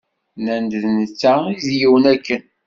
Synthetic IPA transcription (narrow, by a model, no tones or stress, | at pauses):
nænd̪ðnət͡sːaizjiwənækːən